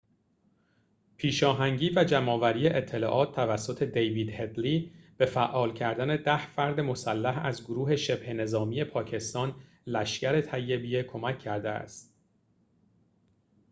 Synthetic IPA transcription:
pʰiːʃɒːɦæŋɟiːvæd͡ʒæmɒːvæɾiːjeʔet̪ʰːe̞lɒ̰ːʔɒːt̪̚ʰt̪ːʰævæsːot̪ʰe̞d̪ejviːd̪he̞d̪liːb̥e̞fæʔɒːlcʰæɾd̪æne̞d̪æhfæɾd̪e̞mo̞sælːæɦæzɡoɾuːɦe̞ʃe̞b̥he̞ne̞zɒːmije̞pʰɒːkcʰe̞st̪ɒːn | læʃcæɾe̞t̪ʰæjːe̞bijekʰo̞mæcʰːæɾd̪eæ̰st̪

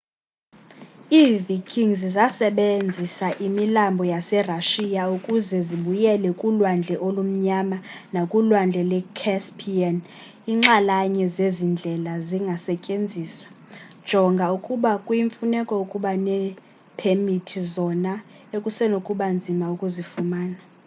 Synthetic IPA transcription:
iːvikʰʼiŋzizasɛɓend͡zʱisaʔimilambʱɔjasɛraʃijaukʼuzɛziɓujɛlɛkʼulwand͡ɮʱɛʔolum̩ɲama | nakʼulwand͡ɮʱɛlɛkʰɛspʰʼiɛn | iːŋ͡ǁalaɲɛzezind͡ɮʱɛlaziŋɡʱasɛcʼend͡zʱiːswḁ | d̥ʒ̥ʱɔŋɡʱaukʼuɓakʼujiɱfunɛkʼɔukʼuɓanɛ | pʰemitʰizɔna | ekʼusɛnokʼuɓand͡zʱimaukʼuzifumaːna

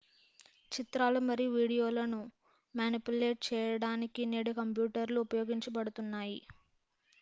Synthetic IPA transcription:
t͡ʃit̪ɾaːlumɐɾijʋiːɽijo̞ːlɐnu | maːnipuleːʈ̚t͡ʃɛːjɐɽaːnikineːɽikɐmpjuːʈɐɾluːpɐjo̞ːɡiɲt͡ʃɐbɐɽut̪unːaːji

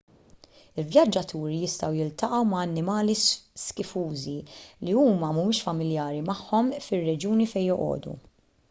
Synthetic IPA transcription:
ɪlvjɐd͡ʒːɐt̪ʰuːɾijɪst̪ɐwjɪlt̪ɐʔɐwmɐːnːɪmɐːlisskɪfuːziliuːmɐmumɪːʃfɐmɪljɐːɾimɐħːɔmfɪrːɛd͡ʒuːnifɛjːɔʔɔ̰ːd̪ṵ

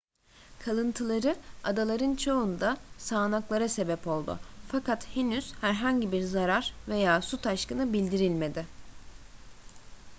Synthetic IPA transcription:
kʰalˠɯnt̪ʰɯlˠaɾɯad̪alˠaɾɯnt͡ʃʰo̞und̪asaːnaklˠaɾase̞bɛpo̞lˠd̪ʊ̰fakat̪henyz̥hæɾɦaɲɟibiɾzaɾaɾve̞jaːsut̪ʰaʃkɯnɯbilʲd̪iɾilʲme̞d̪ɪ

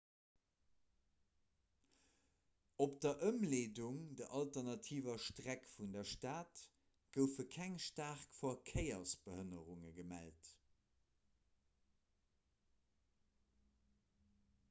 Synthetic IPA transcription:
op̚d̥ɐʔəmleːduŋdəʔɑltɐʁnɑtʰiːvɐʃtʁækfundɐʃtaːt | ɡ̥əʊfəkʰæŋʃtaːʁkfoɐkʰəɪɐsb̥əhənəʁuŋəɡəmæ̰lt

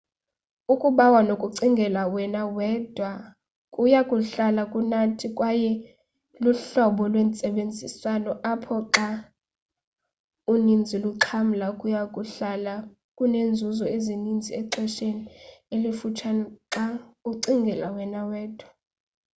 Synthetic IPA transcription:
ukʼuɓawanokʼuǀiŋɡʱɛlawɛnawɛdʱwa | kʼujakʼuɬalakʼunatʰikʼwajɛ | luɬɔɓɔlwent͡sʼɛɓend͡zʱisalɔʔapʰɔǁa | unind͡zʱiluǁʰam̩lakʼujakʼuɬala | kʼunend͡zʱuzɔezinind͡zʱiɛǁʰɛʃenielifut͡ʃʰanǁauǀiŋɡʱɛlawɛnawɛːd̥ʱwa

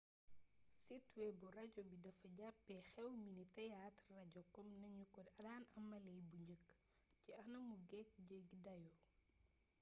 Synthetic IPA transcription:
sitwɛburɐɟɔbidɐfɐɟapːɛxɛwminitɐjatrɐɟɔkːɔmnɐɲukɔdɐdaːnɐmɐlɛjbuɲəkː | ciɐnɐmuɡɛk̚ɟəɡdɐjɔ

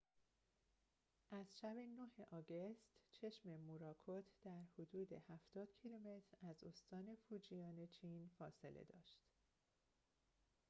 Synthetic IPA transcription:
ʔæzʃæbenoheʔɒːɡest̪t͡ʃʰe̞ʃme̞muːɾɒːkʰot̪ʰd̪̥æɾhod̪uːd̪e̞̰hæft̪ɒːd̪̥cʰilume̞t̪ʰɾæzo̞̰st̪ɒːne̞fuːd͡ʒijɒːne̞t͡ʃʰiːnfɒːse̞lʔḛd̪ɒ̰ːʃt̪

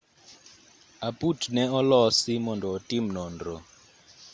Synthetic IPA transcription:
apʼutʰnɛɔlɔsimɔndɔɔtʼimnɔːndɔ

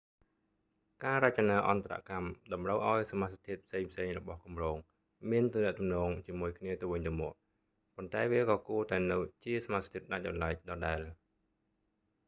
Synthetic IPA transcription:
kaːɾac̚t͡ɕanaːʔɑnt̪ara̰ʔkamɗɑmrəwʔaɔjsamat̪st̪ʰiət̪̚pʰseːŋpʰseːŋrɔɓɑhkumroːŋ | miənt̪umnɛ̆əʔt̪umnɔːŋt͡ɕiəmuəjkʰniət̪ɨwʋɨɲt̪ɨəmɔ̆əʔ | pont̪aɛʋiəkɑːkuət̪aɛnɨwt͡ɕiəsamast̪ʰiət̪̚ɗac̚ɑnlaɛc̚ɗɑːɗaɛl

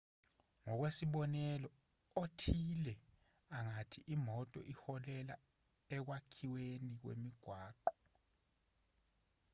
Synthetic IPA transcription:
ŋɔk̬wesiɓɔnɛlɔ | otʰilɛ | aŋatʰiʔimɔtʼɔ̰ʔixɔlɛla | ɛk̬wakʰiwenik̬wḛmiɡ̥ʱwaːǃɔ̥

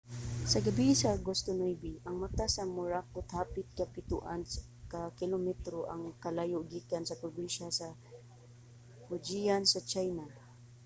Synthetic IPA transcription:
sɐɡɐbisɐɡost̪onojbiʔɐŋmat̪asɐmʊɹak̚ʊt̪haːpɪt̪̚kɐpɪt̪ṵʔans | kɐkɪlomɛt̪ɾoʔɐŋkɐlajoɡikansɐpɾoɡiʃasɐ | hʊd͡ʒijansɐt͡ʃajna

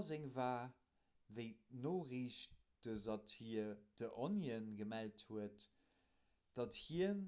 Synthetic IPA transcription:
zeŋvaː | vəɪnoːʁiːʃ | d̥əzɑtid̥əʔonjənɡəmælthuət | d̥ɑthiən

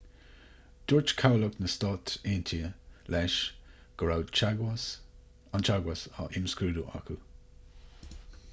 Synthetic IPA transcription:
d̪̥ʊɹt͡ʃkʰawləknəstɔt̪eːnt̪ʰiəlɛʃ | ɡ̥əɹawd | ant͡ʃaɡwasa̰ʔɪmskɾuːduʔa̰kʰu

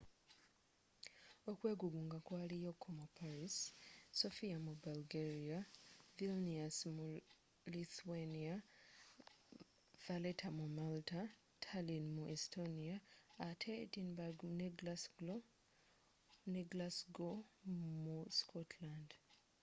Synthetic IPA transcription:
okwe̞ːɡuβuːŋɡakwaːlijokʰːomupʰaɾisso̞fiamubalɡeɾiavilniasmu | liθuwenia | v̥aletʰamumalta | tʰalinmuʔestoniaːtʰetinbaɡneɡlasɡlo | niɡlasɡomuskʰotland

